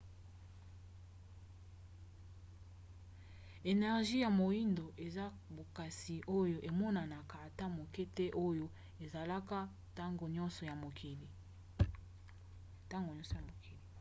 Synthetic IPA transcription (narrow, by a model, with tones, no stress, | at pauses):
e˨nɛ˨ʁʒi˦ja˨mo˨i˦ndo˨ʔe˨za˦ | bo˨ka˨si˨ʔo˦jo˨ʔe˨mɔ˦na˨na˨ka˨a˨ta˦mo˨ke˦tɛ˦ʔo˦jo˦ | e˨za˨la˦ka˦ | ta˦ŋɡo˨ɲɔ˦nsɔ˨ja˨mo˨kʰi˨li˨ | ta˦ŋɡo˨ɲɔ̃˦sɔ˨a˨mo˨ki˨li˨